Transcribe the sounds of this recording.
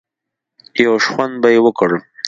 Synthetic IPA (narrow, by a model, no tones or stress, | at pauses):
jawʂwand̪̚bajewəkəɽ